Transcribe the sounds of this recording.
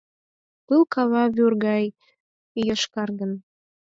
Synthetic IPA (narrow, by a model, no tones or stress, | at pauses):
pɨlˠkɑβɑβyrɣɑj | jɤʃkɑrɣə̆n